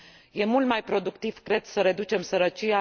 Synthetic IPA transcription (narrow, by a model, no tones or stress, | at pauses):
je̞mult̪̚majpɾo̞d̪ukt̪iv̥kɾe̞d̪səɾe̞d̪ut͡ʃe̞msəɾət͡ʃia